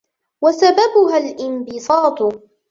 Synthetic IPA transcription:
wasababʊɦalʔɪmbɪsˤɑːt̪ˤʊ

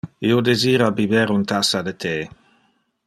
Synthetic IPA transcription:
iod̪eziːɾabibeɾunt̪asad̪et̪ʰe

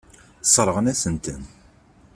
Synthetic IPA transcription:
sˤɾˤəʁənæsənt̪ən

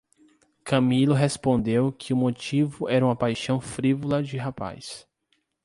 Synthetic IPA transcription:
kɐ̃milʊɦespõnd̪ewkʰɪʊmot͡ʃivʊʔɛɾɐũmɐpajʃɐ̃w̃fɾivolɐd͡ʒɪɦapa̰js

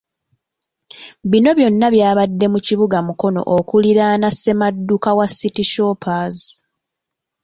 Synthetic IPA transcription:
βino̞βjo̞nːaβjaːβadːe̞muciβuɡamuko̞no̞̰ʔokuliɾaːnasːe̞madːukawasːitiʃo̞ːpazi

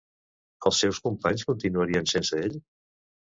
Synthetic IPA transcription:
əlˠsːɛwskumpaɲskunt̪inuəɾiənsensəeʎ

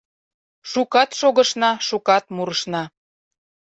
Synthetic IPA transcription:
ʃukɑt̪ʃoɣə̆ʃnɑʃukɑt̪muɾəʃnɑ

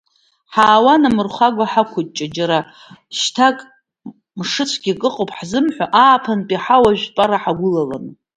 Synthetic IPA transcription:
ħaːwanamɨrχʷaɡʷaħakʷʰʊt̚ʼt͡ʃʼad͡ʒaɾa | ʃtʰakʼ | mʂɨt͡ɕʷʰɡʲikʼɨqʼowpʰʼħzɨmħʷaʔaːpʰanpʼiħawaʒᶣʷpʼaɾaħaɡʷʊlala̰n

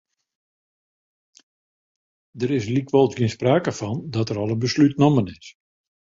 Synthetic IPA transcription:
dəɾɪslikʰʋɔlˠtɡɪənspraːkəfɔndɔtəɾɔlˠənbəslytnomənɪs

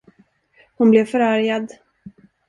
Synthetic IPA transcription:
hʊnblɛvfœɾaɾjad̪

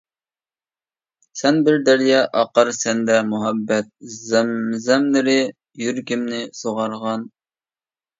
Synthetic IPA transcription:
sɛnbɪɾd̪æɾjɑʔɑqəɾsɛnd̪ɛmuɦɛbːɛt̪̚zmzɛmnɪɾɪ | jyɾkʲɪmnɪsoʁɑɾʁɑn

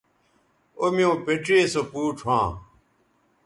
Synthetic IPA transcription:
omjõːpeʈ͡ʂeːsopuːʈ͡ʂʰwãː

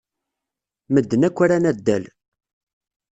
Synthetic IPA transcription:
məd̪ːənækʷːaɾænæd̪ːæl

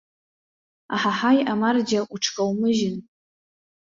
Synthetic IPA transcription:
a̰ħaħajamard͡ʒaʔuʈ͡ʂʰkʼawmɨʒɪn

